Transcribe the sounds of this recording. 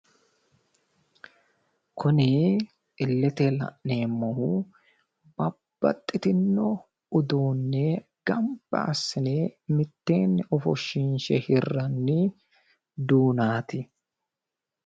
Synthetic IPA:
kʰʊnɪ | ɪlːɛt̪ɛlɐ̰ʔneːmːɔhʊ | bɐb̥ːɐ̰t̪ʼːɪt̪ɪnːɔ | ʊd̪oːnːɛ | ɡ̥ɐmbɐ̰ɐsːɪnemɪt̪ːe̞ːnːɛʔɔfɔ̰ʃɪnʃɛhɪrːɐnːɪ | d̪uːnaːt̪ɪ

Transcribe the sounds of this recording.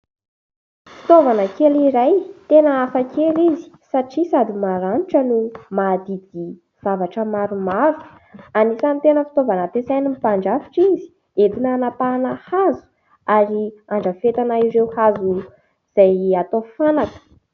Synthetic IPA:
fi̥t̪ovanəkeliɾajt̪enəafakelizi̥saʈ͡ʂisad̪imaɾanuʈ͡ʂənumad̪id̪̥i | v̥avaʈ͡ʂəmaɾumaɾu̥ | anisanit̪enəfi̥t̪ovanət̪esajnimipaɳɖ͡ʐafi̥ʈ͡ʂizi̥ | et̪inanapanahazu̥ | aɾiaɳɖ͡ʐəfet̪anaiɾewhazu | z̥ajat̪ofanakə̥

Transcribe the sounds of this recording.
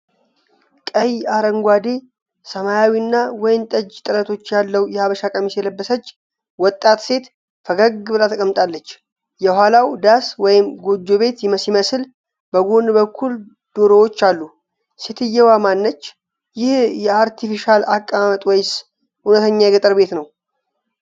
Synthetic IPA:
kʼəjaɾəŋɡʷad̪e̞ | səmajawiɨnːawɔjnt̪ʼəd͡ʒt̪ʼɨɾət̪ʰo̞t͡ʃːjalːəwjɛhaβəʃakʼəmisjɛləbːəsət͡ʃː | wɔt̪ʼːat̪se̞t̪ | fəɡəɡɨbɨlat̪ʰəkʼəmːt̪ʼalːət͡ʃː | jɛhʷalawd̪aswɔjɪmɡo̞d͡ʒo̞βe̞t̪jɪməsiməsɨl | bəɡonbəkʰːul | d̪̥oɾowo̞t͡ʃːalːu | set̪ʰɨjːɛwamanːət͡ʃː | jɪhjɛaɾt̪ʰifiʃalakʼːaamət̪ʼwɛjs | hunət̪ʰəɲːajɛɡət̪ʼəɾbe̞t̪nəw

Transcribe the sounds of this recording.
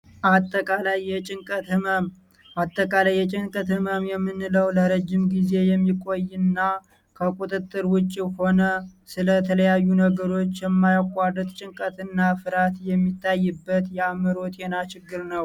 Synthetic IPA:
ʔat̪ʼːəkʼalajːɛt͡ʃʼɪŋkʼət̪ɨməm | ʔat̪ʼːəkʼalajːɛt͡ʃʼɪŋkʼət̪hɨməmjɛmːɨnːɨləwləɾəd͡ʒːɪmɡize̞jɛmːikʼo̞jːɨnːa | kʰəkʼut̪ʼɨt̪ʼːɨɾwʊt͡ʃʼːiho̞nəsɨlət̪ʰələjajːunəɡəɾo̞t͡ʃːjɛmːajakʷʼːad̪ɨt̪t͡ʃʼɪŋkʼət̪ʰɨnːafɨɾat̪jɛmːit̪ʰːajːɨbːət̪jɛamɨɾo̞t̪enat͡ʃɪɡːɨɾnəw

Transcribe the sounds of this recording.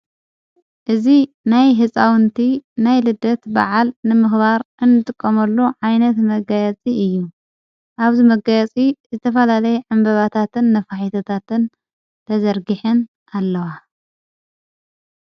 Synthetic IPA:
ʔɨzi | najɦɨsʼawnt̪ʰinajlɨd̪ɐt̪ba̰ʕalnɨmɨxbaɾʔɨnːɨt̪ʼɨkʼːɐmɐlːuʕajnɐt̪mɐɡajɐt͡sʼiɨjːu | ʔaβzimɐɡajɛt͡sʼizɨt̪ʰɐfɐlalɐjɛʕɨmbɐβat̪ʰat̪ɨnːɐfaħit̪ʰɐt̪ʰat̪ɨn | t̪ʰɐzɐɾɡɨħɨn | ʔalːɐwa

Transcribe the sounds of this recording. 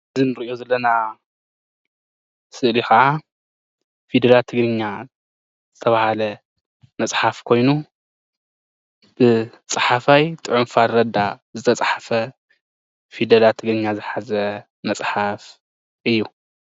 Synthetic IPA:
ɨzinɨɾiʔjo̞zɐlːɐna | sɨʔlixɐʔa | fid̪ɐɾat̪ʰɨɡɾɨɲːa | z̥ɨt̪ʰɐβahalɐ | mɐsʼħafkʰo̞jnu | b̥ɨ | t͡sʼɨħafajt̪ʼɨʕʊmfaɾɐd̪azɨt̪ʰɐt͡sʼħafɐ | fed̪ɐlat̪ʰɨɡɾɨɲːazɨħazɐ | mɐsʼħaf | ʔɨjːu

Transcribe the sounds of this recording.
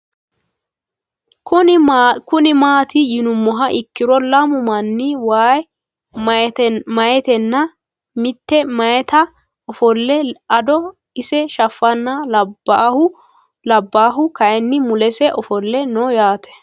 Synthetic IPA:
kʊkʊnɪmaːt̪ɪjɪnʊmːɔɦɐʔɪkːɪɾɔlɐmʊmɐnːɪwaːj | mɐjɛt̪ɛnːɐ | mɪt̪ːɛmɐjɛt̪ɐ | ɔfɔlːɛɐd̪ɔ | ɪsɛʃɐfːɐnːɐlɐbahʊ | lɐbːaːɦʊkɐjɛnːɪmʊlɛsɛʔɔfɔlːɛnɔjaːt̪ʰɛ̥

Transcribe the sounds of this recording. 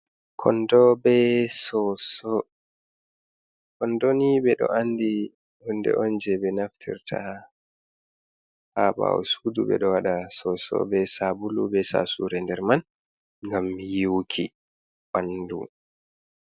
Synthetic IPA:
kʰɔndɔbɛsɔsɔ | kɔndonibɛɗɔ̰ʔandi | hundɛ̰ʔɔnd͡ʒɛbɛnaftʰḭɾtʰa | haba̰wɔ̰sudubɛ̰ɗɔwaɗasɔsɔ̰bɛsabulubɛsa̰suɾɛndɛɾman | ŋɡamːijiwkʰi | wandṵm

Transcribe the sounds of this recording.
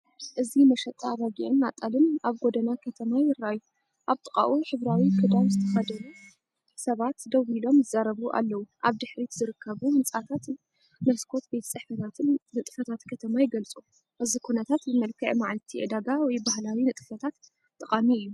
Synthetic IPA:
ʔɨzimɐʃɐt̪ʼaβaɡiʕɨnːat̪ʼːalɨnaβɡod̪ɐnakʰɐt̪ʰɐmajɪɾːaju | ʔaβt̪ʼɨkʼa̰ʔuħɨβɾawikʰɨd̪awzɨt̪ʰɐxɐd̪ɐlu | sɐβat̪d̪ɐwilo̞mzɨzaɾɐβuʔa̰lːɐwuʔaβd̪ɨħɾit̪zɨɾɨkʰːɐβumɨnt͡sʼat̪ʰat̪ | nɐskʰo̞t̪bet̪ʰɐt͡sʼɐħfɐt̪ʰat̪ʰɨnːɨt̪ʼɨ̥fɐt̪ʰat̪kʰɐt̪ʰɐmajɪɡɐlt͡sʼu | ʔɨzikʰunɐt̪ʰat̪zɨmɐlkʰɨʕmaʕlt̪ʰiʕɨd̪aɡawɔjbahlawinɨt̪ʼɨfɐt̪ʰat̪ʼː | ɨqʼamiɨjːu

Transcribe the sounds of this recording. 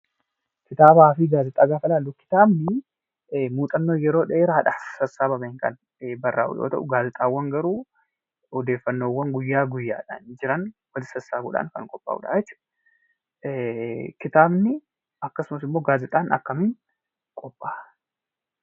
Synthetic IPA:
kɪt̪aːbaːfiɡaːzɪt̪ʼaːɡaːfɐlaːlːʊkɪ̥t̪aːbnɪ | muːt̪ʼɐnːo̞ːjɛɾo̞ːᶑeːɾaːᶑɐ̥sɐsaːbɐbɐŋkɐ̰n | bɐrːa̰ːʔʊ̰jo̰ːt̪ɐ̰ʔʊɡaːzɪt̪ʼaːwːɐŋɡɐɾuː | ɔd̪e̞ːfːɐnːoːwːɐŋɡʊjːaːɡʊjːa̰ːᶑɐ̰nd͡ʒɪɾɐnwɐlɪsɐsaːɡṵːᶑa̰ŋkɐ̰ŋkʼɔpʼːa̰ːʔṵʊᶑa̰ːjɛt͡ʃːʊ̥ | kɪt̪aːbnɪ | ɐkːɐsʊmɐsɪmːo̞ːɡaːzɪt̪ʼaːnɐ̰kːɐmɪŋ | kʼɔpʼːḁː

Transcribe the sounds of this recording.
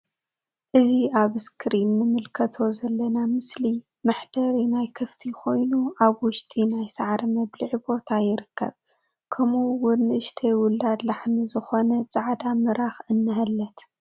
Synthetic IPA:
ʔɨziaβɨskʰɾinːɨmɨlkʰɐt̪ʰo̞zɐlːɐnamɨsli | maħd̪ɐɾinajkʰɨft̪ʰikʰo̞jnuʔaβwʊʃt̪ʼinajsaʕɾmɐβliʕbo̞t̪ʰajɪɾɨkʰːɐ̰β | kʰɐmuwʊnːɨʔɨʃt̪ʰewʊld̪ad̪laħnizɨxo̞nɐt͡sʼaʕd̪amɨɾaxɨnːɨɦɐlːɐt̪

